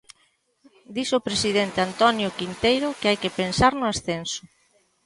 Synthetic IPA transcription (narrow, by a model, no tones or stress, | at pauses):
d̪isopɾesiðent̪eant̪ɔnjokint̪ejɾokeajkepensaɾnʊasθensʊ